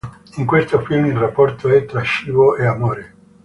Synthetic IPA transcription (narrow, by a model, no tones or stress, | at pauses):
iŋkwest̪ofilmilrapːɔrt̪oɛt̪ːɾaʃiːvoeamoːɾe